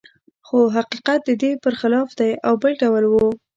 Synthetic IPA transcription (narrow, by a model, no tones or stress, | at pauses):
xoɦaqiqat̪̚d̪əd̪epəɾxɪlɑfd̪ajawbəlɖawlwu